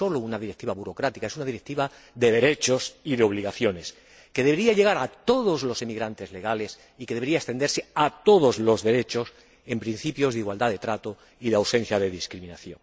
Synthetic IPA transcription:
o̞lounaðiɾek̚t̪iβaβuɾokɾat̪ikaesunaðiɾe̞k̚t̪iβa | ðe̞ðe̞ɾe̞t͡ʃo̞siðeo̞βliɣaθjo̞ne̞s | ke̞ðeβeɾiaʎe̞ɣ̞aɾat̪o̞ðo̞zlo̞semiɣɾant̪e̞zle̞ɣale̞s | ike̞ðeβe̞ɾiaest̪e̞nd̪eɾseat̪o̞ðo̞zlo̞zðe̞ɾe̞t͡ʃo̞s | e̞mpɾin̟θipjo̞zðiɣwald̪aðe̞t̪ɾat̪o | iðeawsẽ̞n̟θjaðe̞ðiskɾimĩnaθjo̞̰ŋ

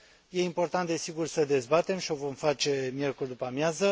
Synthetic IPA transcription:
je̞impo̞rt̪ant̪̚d̪e̞siɡursəd̪e̞zbat̪e̞mʃio̞vo̞mfat͡ʃe̞mje̞rkurʲd̪upamjazə

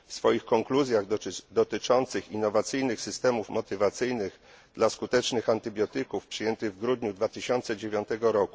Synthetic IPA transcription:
fsfɔjixkɔŋkluzʲjaɣd̪ɔt̪ɘt͡ʂɔnt̪sɘxinːɔvat̪sɘjnɘxsɘst̪ɛmufmɔt̪ɘvat̪sɘjnɘɣ | d̪laskut̪ɛt͡ʂnɘxant̪ɘbʲjɔt̪ɘkufpʂɘjɛnt̪ɘɣvɡɾud̪ɲud̪vat̪ɘɕɔnt̪sɛd͡ʑevʲjɔnt̪ɛɡɔɾɔku

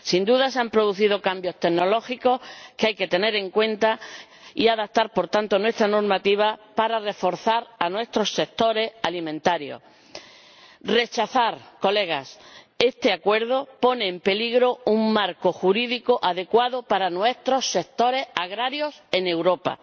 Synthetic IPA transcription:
sind̪uðaseampɾo̞ðuθiðo̞kambjo̞st̪eɡno̞lo̞xiko̞hkeajke̞t̪e̞ne̞ɾe̞ŋkwẽ̞nt̪a | iaðap̚t̪aɾpo̞ɾt̪ant̪o̞nwe̞st̪ɾano̞ɾmat̪iβ̞apaɾare̞fo̞ɾθaɾanwe̞st̪ɾo̞sːe̞k̚t̪o̞ɾe̞salimẽnt̪aɾjo̞̰ | re̞t͡ʃaθaɾko̞le̞ɣ̞a̰s | e̞st̪e̞akwe̞ɾðo̞po̞ne̞ːmpe̞liɣɾo̞uŋmaɾko̞xuɾiðikoʔaðe̞kwaðopaɾanwe̞st̪ɾo̞sːe̞k̚t̪o̞ɾe̞saɣɾaɾjo̞se̞ne̞wɾo̞pa̰

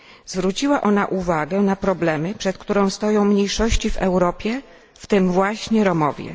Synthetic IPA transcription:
zvɾut͡ɕiwaʔɔnaʔuvaɡɛnapɾɔblɛmɘpʂɛt̪̚kt̪uɾɔ̃w̃st̪ɔjɔ̃w̃mɲejʂɔɕt͡ɕivɛwɾɔpʲjɛ | ft̪ɘmvwaɕɲɛɾɔmɔvʲjɛ̰

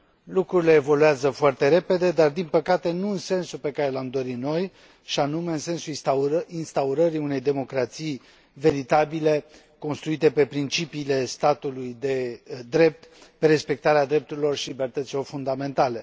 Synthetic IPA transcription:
lukɾuɾile̞ːvo̞luazəfoart̪e̞ɾe̞pe̞d̪e̞d̪ard̪inpəkat̪e̞nuɨnse̞nsupe̞kaɾe̞lamd̪o̞ɾit̪no̞j | ʃianume̞ɨnse̞nsulinst̪auɾəɾiune̞jd̪e̞mo̞kɾat̪sij | ve̞ɾit̪abile̞ | ko̞nst̪ɾuit̪e̞pe̞pɾint͡ʃipiːle̞st̪at̪ulujd̪e̞d̪ɾe̞p̚t̪pe̞ɾe̞spe̞k̚t̪aɾead̪ɾe̞p̚t̪uɾilo̞rʃilibe̞rt̪ət̪silo̞rfund̪ame̞nt̪ale̞

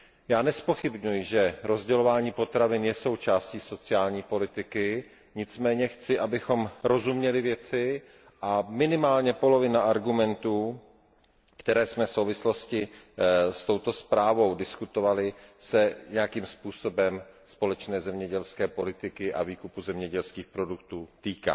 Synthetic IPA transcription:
jaːnɛspo̞xɪbɲujɪʒɛɾo̞zɟɛlo̞vaːɲiːpo̞t̪ɾavɪnjɛso̞wt͡ʃaːsciːso̞t͡sɪaːlɲiːpo̞lɪt̪ɪkɪ | ɲɪt͡smɛːɲɛxt͡sɪʔabɪxo̞mɾo̞zumɲɛlɪvjɛt͡sɪ | ʔamɪnɪmaːlɲɛpo̞lo̞vɪnaʔaɾɡumɛnt̪uː | kt̪ɛɾɛːsmɛfsowvɪslo̞scɪ | st̪o̞wt̪o̞spɾaːvo̞wdɪskut̪ovalɪsɛɲɛjakiːmspuːso̞bɛmspo̞lɛt͡ʃnɛːzɛmɲɛɟɛlskɛːpo̞lɪt̪ɪkɪʔa̰viːkupuzɛmɲɛɟɛlskiːxpɾo̞duk̚t̪uːt̪iːka̰ː

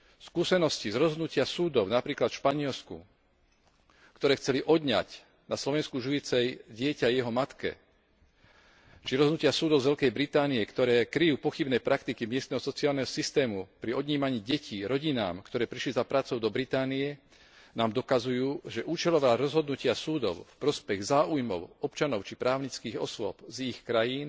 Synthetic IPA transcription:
skuːsɛnɔscizɾɔzɦɔd̪nucɪasuːd̪ɔʊnapɾiːklat̪ʃpaɲɪɛlskṵ | kt̪ɔɾɛːxt͡sɛliʔɔd̪ɲa̰c | naslɔʋɛnskuʒujit͡sɛjɟɪɛcajɛɦɔmat̪kɛ̰ | t͡ʃiɾɔzɦdnucɪasuːd̪ɔʊzʋɛʎkɛjbɾit̪aːniɛkt̪ɔɾɛːkɾijuːpɔxibnɛpɾʔakt̪ikimɪɛst̪nɛɦɔsɔt͡siaːlnɛɦɔsist̪ɛːmupɾiɔd̪ɲiːmaɲiːɟɛciːɾɔɟina̰ːmkt̪ɔɾɛːpɾiʃlizapɾaːt͡sɔʊd̪ɔbɾit̪aːnijɛ | naːmd̪ɔkazujuːʒɛʔuːt͡ʃɛlɔʋaːɾɔzɦɔd̪nucɪasuːd̪ɔʊfpɾɔspɛɣzaːujmɔ̰ʊɔpt͡ʃanɔʊt͡ʃipɾaːʊɲit͡skiːɣɔ̰sʊɔb̥zixkɾajiːn

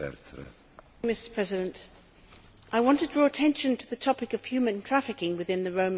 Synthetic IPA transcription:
ɛ̰s | mɪsə̥pʰɹ̥ɛzɨɾɨ̃nt | ʔaɪwɑ̃ntɨdɹɔətʰɛ̃nʃɨ̃ntʰɨðɨtʰɒpɨkʌv̥hjʉmɨ̃ntʰɹ̥æfɨkɪ̃ŋwɨðɪ̃nðɨɹõʊ̃m

